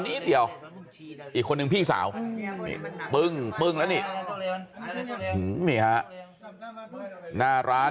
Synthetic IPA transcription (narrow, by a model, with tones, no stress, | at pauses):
niː˦˥d̪i˧˩əw | ʔiː˨˩kʰːo˧nːɯ˧ŋpʰiː˥˩ŋsa̰ː˩˦wmḭː˧˩pɯ˧˩ŋk͡pɯ˧˩ŋlɛ˦˥niː˧˩ | hɯ˨˩miː˧˩ha˦˥ʔ | naː˧˩ɾaː˦˥